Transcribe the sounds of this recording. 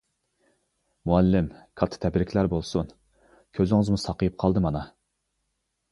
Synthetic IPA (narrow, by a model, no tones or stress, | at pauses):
muɛlːɪmkʰɑt̪ʰːɨ̥t̪ʰɛbɪɾɪkʲʰlæɾbolˠsun | kʲʰøzɪŋɪzmusɑqəjɨp̚qʰɑlˠd̪ɨmɑnɑ